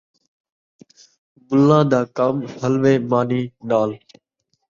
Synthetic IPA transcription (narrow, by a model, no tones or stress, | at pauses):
bʊlːãːd̪aːkaːmhəlʋeːmaːniːnaːl